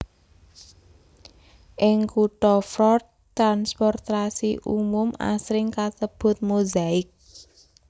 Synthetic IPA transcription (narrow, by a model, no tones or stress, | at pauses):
ʔɪŋkuʈɔfɾɔt̚ | t̪ːɾanspɔrt̪asiʔṵmʊma̰sɾɪŋkasəb̥ʊ̤t̪̚muzaɪk̚